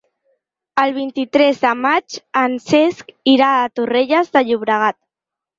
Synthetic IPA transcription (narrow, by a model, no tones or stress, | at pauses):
əlˠβ̞int̪it̪ɾɛzðəmat͡ʃənseskiɾaːt̪ureʎəzðəʎuβɾəɣ̞at̪̚